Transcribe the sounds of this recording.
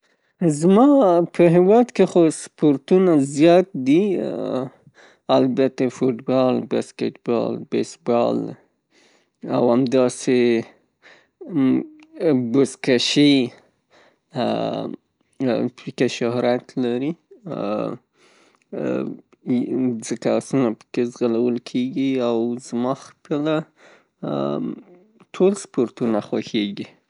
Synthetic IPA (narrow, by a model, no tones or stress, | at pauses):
zmɑpʰəɦɪwɑd̪kexospoɾt̪unazjɑt̪̚d̪i | albat̪afoʈbɑlbaskeʈbɑ̰lbesbɑ̰l | a̰wamd̪ɑse | bʊskaʃi | pəkaʃʊhɾat̪laɾi | zəkasunapə̥kezɣalawəlkʰeɡiawzmɑxpəla | ʈʰolspoɾt̪unaxwaxeɡi